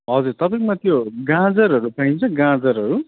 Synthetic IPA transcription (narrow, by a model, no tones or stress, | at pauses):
ɦʌd͡zuɾt̪ʌpaĩkmat̪ʰjoɡãd͡zʌɾɦʌɾupaɦĩnt͡sʰʌɡãd͡zʌɾɦʌɾu